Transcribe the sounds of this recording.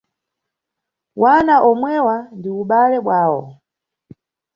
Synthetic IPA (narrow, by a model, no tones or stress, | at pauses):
wanaʔɔmwɛwandiuɓalɛɓwaːwɔ̰